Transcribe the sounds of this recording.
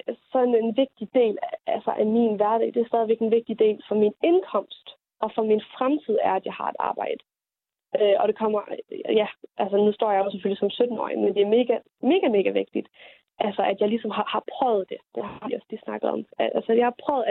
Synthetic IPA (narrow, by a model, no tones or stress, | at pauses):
sɒ̽ne̝nʋe̝ɡ̥̚d̥id̥e̝̰ːlæælsɐʔæminʋæɐd̥ɛ̰ːd̥e̝æɐsd̥ɛːð̞ˠiʋeɡ̥enʋe̝ɡ̥̚d̥id̥e̝̰ːlfɒ̽mine̝nkʰɒ̽m̰sd̥ | ɒ̽fɒ̽minfʁamt͡sʰið̞̰ˠæɐæd̥jɑ̈ɪhɑ̈e̝d̥ɑ̰̈ːb̥ɑ̈ɪ̰d̥ə | øɒ̽ɾ̥e̝kʰɒ̽m̰ɐjæʔælsənusd̥ɒ̰ːjɑjosefølisɒ̽msød̥n̩ɒ̰ːimend̥e̝æɐme̝ːɡ̥æ | me̝ːɡ̥æme̝ːɡ̥æʋe̝ɡ̥̚d̥id̥ | ʔælsɐʔæd̥jɑ̈ɪlisɒ̽mɦɑ̈hɑ̈pʰʁœːʊð̩ˠd̥e̝d̥ehɑʋiɒ̽slisnɑ̈ɡ̥ð̩ˠɒ̽mælsəjɑhɑ̈pʰʁœʊð̩ˠ